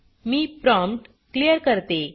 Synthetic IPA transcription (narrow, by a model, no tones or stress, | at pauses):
miːpɾɔ̃mpʈ | klijəɾkəɾt̪e